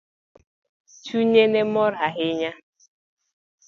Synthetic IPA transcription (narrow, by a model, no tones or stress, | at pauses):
t͡ʃuɲenemɔɾaɦɪɲa